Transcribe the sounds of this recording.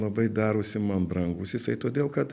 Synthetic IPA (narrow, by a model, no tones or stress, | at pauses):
lˠɐbɐɪd̪ɑːɾuːsʲɪmɐnbɾɐŋɡʊsjɪsɐɪt̪oːdʲeːlˠkɐt̪